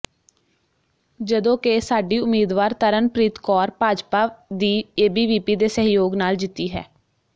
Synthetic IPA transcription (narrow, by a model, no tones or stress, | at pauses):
d͡ʒəd̪õːkesaːɖiːʊmiːd̪ʋaːɾt̪əɾənpɾiːt̪kɔːɾpaːd͡ʒpaːd̪iːeːbiːʋiːpiːd̪eːsəɦjoːɡnaːld͡ʒɪt̪ːiːɦɛ̰ː